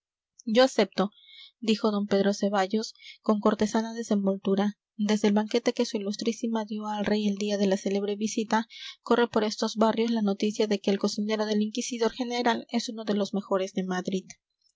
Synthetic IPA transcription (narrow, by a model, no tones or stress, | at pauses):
d͡ʒo̞ase̞p̚t̪o̞ | d̪ixo̞ð̞o̞mpe̞ðɾo̞se̞βaʝo̞sko̞ŋko̞ɾt̪e̞sanaðe̞se̞mbo̞lt̪uɾa | d̪e̞zðelβaŋke̞t̪e̞ke̞suilust̪ɾisimaðjo̞alre̞je̞ld̪iað̞e̞lase̞le̞β̞ɾe̞βisit̪ako̞re̞po̞ɾe̞st̪o̞zβarjo̞zlano̞t̪isjaðe̞ke̞ːlko̞sine̞ɾo̞ð̞e̞liŋkisiðo̞ɾxe̞ne̞ɾale̞suno̞ðe̞lo̞zme̞xo̞ɾe̞zðe̞maðɾið